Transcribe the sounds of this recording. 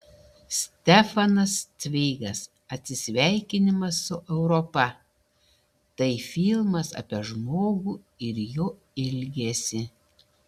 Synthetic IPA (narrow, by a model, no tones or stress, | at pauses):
sʲt̪ʲɛfɐnɐst̪ʲʋʲɛɪɡɐs | ɐt̪ʲsʲɪsʲʋʲæˑɪkʲɪnʲɪmɐsːʊʔɛʊɾɔpɐ | t̪ɐɪfʲiːlˠmɐsɐ̰pʲiɛʒmoːɡuː | ɪɾjoː | ɪlʲɡʲesʲɪ